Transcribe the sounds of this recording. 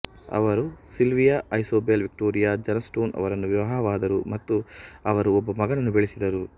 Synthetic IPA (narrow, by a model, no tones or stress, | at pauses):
ɐ̰ʋɐɾusilʋijaɐjsoːbelʋik̚ʈoːɾijaːd͡ʒɐnɐsʈoːnɐ̰ʋɐɾɐnːuʋjiʋɐɦɐɐʋaːd̪ɐɾumɐt̪ːuɐʋɐɾuɔbːɐmɐɡɐnɐnːubeɭisid̪ɐɾu